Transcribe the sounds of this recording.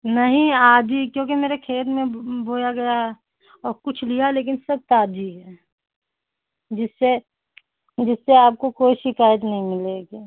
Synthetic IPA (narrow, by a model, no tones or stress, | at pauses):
nɐɦĩaːd̪ikjõːkimeːɾekʰeːt̪mẽboːjaɡɐja | ɔːɾkʊt͡ʃʰlijaleːk̬ɪnsɐb̚t̪aːd̪iɦɛ | d͡ʒɪsːe | d͡ʒɪsːeaːp̚kokoːiʃɪkaːjət̪nɐɦĩmɪleːɡeː